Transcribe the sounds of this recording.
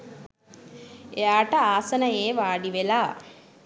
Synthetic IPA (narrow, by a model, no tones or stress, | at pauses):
ejaːʈəaːsənəjeːʋaːɖiʋelaː